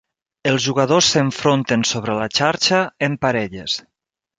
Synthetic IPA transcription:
əlˠzʒuɣəðosːəɱfɾont̪ensoβɾəlat͡ʃaɾt͡ʃəempaɾɛʎḛs

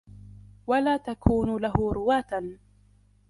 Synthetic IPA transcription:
walaːt̪akʰuːnʊlaɦʊɾʊwaːt̪an

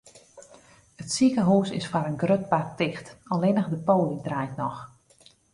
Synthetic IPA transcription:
ətsikəɦuːsɪ̰sfaɾənɡrøt̚bartɪxtɔlʋɪnəxdəpoːlidrajtnɔx

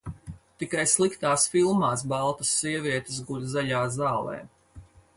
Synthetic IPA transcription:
t̪ikajslˠikt̪aːsfilˠmaːs̬bɑlˠt̪asːiɛvʲiɛt̪es̬ɡuɾzaʎaːzaːlˠɛ̰ː

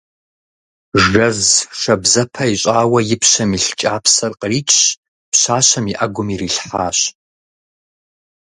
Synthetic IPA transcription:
ʐɐzʂɐbzɐpʰɐiɕʷʼaːwɐjɪpʰɕɐmiɬt͡ʃʼaːpʰsɐrqʼrit͡ʃʼɕ | pʰɕaːɕɐmiʔaɡʷʊmiriɬħa̰ːɕ

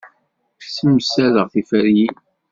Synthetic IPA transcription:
fsəməsæləʁθifæɾji

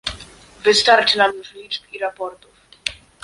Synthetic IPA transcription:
vɨst̪aɾʈ͡ʂnamvlid͡ʒbiɾapɔɾt̪uf

